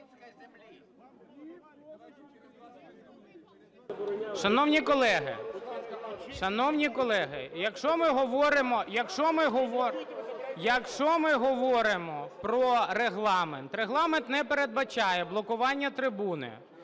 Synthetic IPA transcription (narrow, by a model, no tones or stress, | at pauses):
ʃɐnɔwnʲikɔlˠɛɦɪ̰ | ʃɐnɔwnʲikɔlˠɛɦɪjɐkʃɔmɪɦɔʋɔɾɪmɔjɐkʃɔmɪɦɔʋɔ | jɐkʃɔmɪɦɔʋɔɾɪmɔpɾɔɾeɦlˠɑment̪ɾeɦlˠɑment̪nɛpeɾe̞d̪̚bɐt͡ʃɑjɛblˠɔkʊʋɑnʲːɐt̪ɾɪbunɪ̰